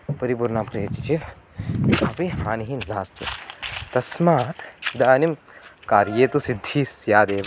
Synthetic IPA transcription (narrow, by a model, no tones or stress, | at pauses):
pɐɾibuɾnapɾijɐt͡ʃit͡ʃʰi | ɐpihaːniɦinlaːst͡ʃṵt̪ɐsmaːt̪id̪aːnimkaːɾjeːt̪usid̪ʱːisjaːd̪eːʋ